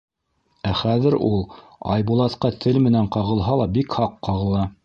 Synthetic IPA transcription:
æχæðɘɾulˠ | ɑ̰jbulˠɑt̪qɑt̪ʰɘlmɘ̆næɴqɑʁɤ̆lˠɦɑlˠɑbikhɑqːɑʁɤ̆lˠɑ

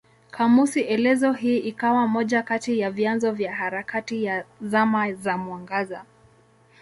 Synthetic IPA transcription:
kʰamusiʔɛlɛzɔɦiːikawamɔʄakatijavjanzɔvjaɦaɾakatijazamazamwaŋɡaza

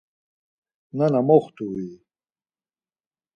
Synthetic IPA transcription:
nanamoχt̪uwi

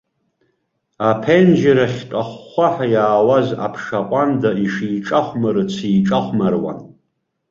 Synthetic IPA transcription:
apʰend͡ʒaɾaχʲtʼaχːʷaħajaːwaza̰pʰʂaqʷʼandaiʂiːʈ͡ʂʼaχʷmaɾɨt͡sʰiːʈ͡ʂʼaχʷmarwa̰n

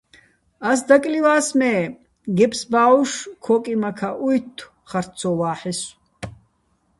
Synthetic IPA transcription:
as̬d̪akʼliwaːsmɛː | ɡɛpʰʼsbaːwʃkʰɔːkʼimakʰaʔujt̪ʰː | χaɾt͡sʰɔwaːħɛs

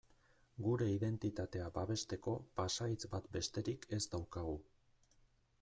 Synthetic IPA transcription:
ɡuɾe̞iðe̞nt̪it̪at̪e̞abaβe̞st̪e̞ko̞pasait͡sbat̪be̞st̪e̞ɾikʰe̞zd̪awkaɣ̞u

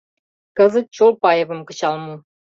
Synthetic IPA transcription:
kɤ̆zə̆t̪̚t͡ɕolˠpɑjɤ̆βɤ̆mkɤ̆t͡ɕɑlˠmu

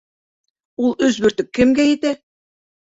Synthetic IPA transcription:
ulˠɵzbɵ̆ɾt̪ɵkːɘ̆mɡæjit̪æ

